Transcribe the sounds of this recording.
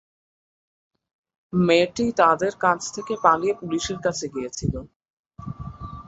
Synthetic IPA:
meʈit̪ad̪eɾkat͡ɕʰt̪ʰekepalijepuliʃeɾkat͡ɕʰeɡijet͡ɕʰilo

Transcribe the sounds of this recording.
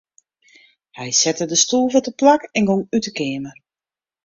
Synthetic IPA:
hɛjsɛtədəstuːlˠvətəplakɛnɡoŋytəkɪːmər

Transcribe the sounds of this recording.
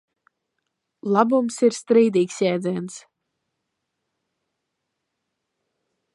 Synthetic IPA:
lˠabumsiɾst̪ɾiːd̪iːksjɛːd̪zʲɛɛns

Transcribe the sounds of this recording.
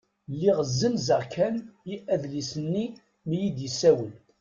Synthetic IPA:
lːiʁəzːəmzəʁkʰæniʔæðlisənːi | mijid̪jəsːæwəl

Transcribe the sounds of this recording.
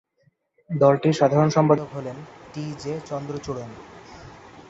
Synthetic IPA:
d̪ɔlʈiʃad̪ʱaɾonʃɔmpad̪okɦolenʈid͡ʑet͡ɕɔnd̪ɾot͡ɕuɽon

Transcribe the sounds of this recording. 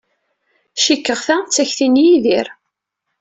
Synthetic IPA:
ʃikːəʁθæt͡sːæçθinijiðiɾ

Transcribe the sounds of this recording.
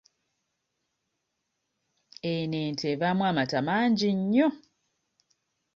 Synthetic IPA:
eneːntʰeβamwamatamaːɲɟiɲːo

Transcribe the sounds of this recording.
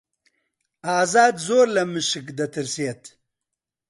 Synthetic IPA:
aːzaːd̪zoːɾlɐmiʂikd̪ɐt̪ɐɾsijɐt̪

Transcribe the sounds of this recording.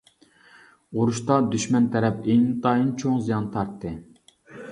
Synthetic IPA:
uɾuʃt̪ɑd̪yʃmɛnt̪ʰɛɾɛpeŋt̪ɑjint͡ʃʰoŋzijɑnt̪ʰɑɾt̪ʰːɨ

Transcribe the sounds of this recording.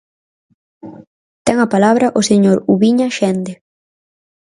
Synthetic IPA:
t̪ɛŋapalaβɾɐʔoseɲoɾuβiɲaʃɛnd̪e

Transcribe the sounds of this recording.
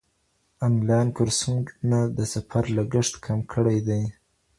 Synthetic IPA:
anlɑjnkʊɾsunad̪əsafaɾlaɡəʂt̪kʰamkʰəɽajd̪aj

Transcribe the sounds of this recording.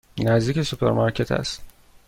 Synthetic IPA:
næzd̪iːcesupʰḛɾmaɾcʰet̪ʰæ̰st̪

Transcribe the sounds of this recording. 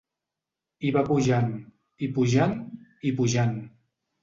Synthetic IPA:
iβapuʒan | ipuʒanipuʒan

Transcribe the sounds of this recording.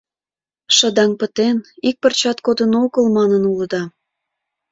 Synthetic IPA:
ʃəd̪ɑŋpət̪enik̚pərt͡ɕɑt̪kod̪ənoɣəlmɑnənuləd̪ɑ

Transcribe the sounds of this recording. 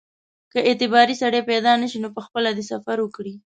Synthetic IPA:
kəet̪ɪbɑɾisaɽeped̪ɑnəʃinopəxpəlad̪esafaɾwəkɽi

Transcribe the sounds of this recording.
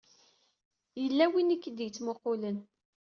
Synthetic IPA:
jəlːæwinikːəd̪jət͡sːmoqːolən

